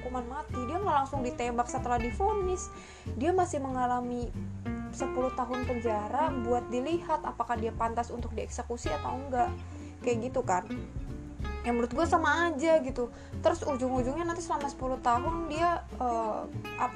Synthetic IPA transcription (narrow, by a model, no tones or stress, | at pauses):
kumanmat̪idiaŋɡalaŋsʊŋdit̪embaksət̪əlahdifonɪs | diamasɪhməŋalami | səpulʊht̪aɦʊnpəɲd͡ʒaɾabuat̪̚dilihat̪apakahdiapant̪asunt̪ʊk̚diɛksəkusiat̪awəŋɡaʔ | kajaʔɡit̪ukan | jaŋməɾʊt̪̚ɡuasamaːd͡ʒaɡit̪u | t̪əɾʊsud͡ʒʊŋud͡ʒʊŋɲanant̪isəlamasə̥pulʊht̪aɦʊndia | əʔap